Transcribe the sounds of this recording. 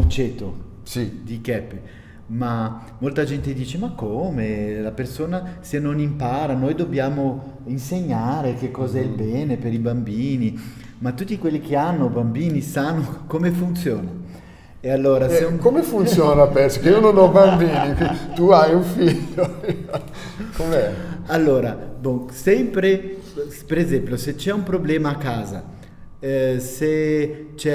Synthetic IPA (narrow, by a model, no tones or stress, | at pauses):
ut͡ʃeːt̪ːo | sid̪ikɛpːi | ma | mːolt̪ad͡ʒɛnt̪ed̪iːt͡ʃemakːoːmelapersoːnasenːonimpaːɾanojd̪objaːmo | inseɲːaːɾek̟ekːɔːzaɛilbɛːnepeɾibambiːni | mat̪ːut̪ːikwelːik̟eanːobambiːnisanːokomefunt̪sjoːna | ealːoːɾasekomefunt̪sjɔːnapɛɾsokeiwnonɔbambinikit̪uajũfiʎːo | komeɛalːoːɾabosɛmpɾe | peɾezɛmploset͡ʃɛumpɾoblɛːmaːkːaːza̰ | set͡ʃɛ